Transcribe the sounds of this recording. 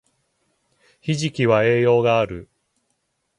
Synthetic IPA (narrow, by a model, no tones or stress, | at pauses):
çiʑikʲiβae̞ːjo̞ːɡaːɾɯ̟